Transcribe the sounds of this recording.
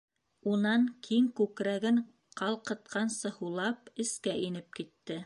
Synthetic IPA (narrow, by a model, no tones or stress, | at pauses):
unɑŋkʰiŋkʉkɾæɡɘɴ | qʰɑlˠqɤ̆t̪̚qʰɑnsɤ̆hulˠɑpɘ̆skæʔinɘp̚kit̪ːɘ